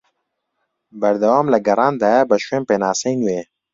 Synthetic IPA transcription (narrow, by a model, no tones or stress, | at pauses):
bɐɾd̪ɐwaːmlɐɡɐɾaːnd̪ajabɐʃwẽːmpenaːsɐjnueː